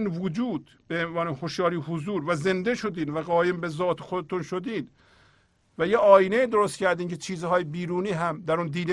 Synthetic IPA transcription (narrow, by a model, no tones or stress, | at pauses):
nvod͡ʒuːd̪ | b̥eenvɒːnehoʃjɒːɾiːhozuːɾvæze̞nd̪e̞ʃo̞d̪iːd̪væɣɒːjembezɒːt̪ʰexod̪et̪unʃod̪iːd̪ | væjeɒːjineiːd̪oɾost̪̚cʰæɾd̪iːncʰet͡ʃʰiːzɦɒːjebiːɾuːniːɦæmd̪æɾund̪iːd̪